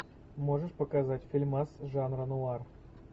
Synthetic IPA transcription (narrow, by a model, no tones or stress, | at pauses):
moʐəʂpəkazatʲfʲilʲmɑsʒɑnrənuɑr